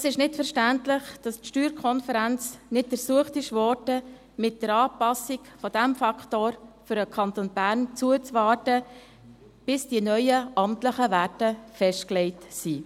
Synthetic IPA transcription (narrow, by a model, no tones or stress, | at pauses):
ɛsɪʃnɪtfəɾʃtæntlɪχd̥ɑstʃtyːɾkʰɔnfəɾænt͡snɪt̚dəɾsuəχtɪʃʋɔːrdə | mɪt̚d̥əɾɑːpɑsikfɔdæmfɑkχtoːɾfʏɾəkʰɑntonbæːɾnt͡suət͡sʋɑːtə | b̥ɪsd̥iənœʏəʔɑmtləχəʋætəfɛʃtklɛɪtsi